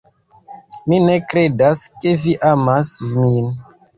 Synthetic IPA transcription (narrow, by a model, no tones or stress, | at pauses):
minekɾedaskeviʔamasmin